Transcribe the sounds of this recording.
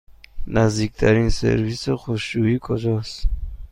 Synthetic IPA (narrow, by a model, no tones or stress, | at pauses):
nazd̪ik̚t̪ʰaɾinsɛ̰ɾvisɔχuʃuikʰʼɔd͡ʒɔs